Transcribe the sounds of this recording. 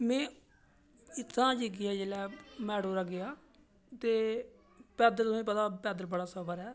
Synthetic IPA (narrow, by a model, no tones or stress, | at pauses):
mɛ̃ː | ɪt̪ʰːãːd͡ʒiɡiːɛːd͡ʒeːlɛːmɛːɽoːɾəɡɪjaː | t̪eː | pɛːd̪əlt̪oĩːpət̪aːpɛːd̪əlbəɽaːsəbəɾɛː